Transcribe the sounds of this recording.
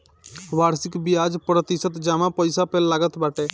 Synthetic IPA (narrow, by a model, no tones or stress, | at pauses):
ʋaːɾsɪkbɪjaːd͡ʒpɾət̪isət̪d͡ʒaːmãpəɪsapelːaːɡət̪baːʈeː